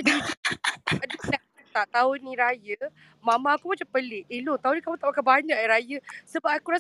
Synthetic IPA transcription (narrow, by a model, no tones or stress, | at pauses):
dəŋiadəsɛtant̪aʔt̪aunĩɾajə | mãmãːkumat͡ʃampəlɪʔelot̪aunĩkamũt̪aʔpakabaɲãʔaɾajəsəbap̚akuɾas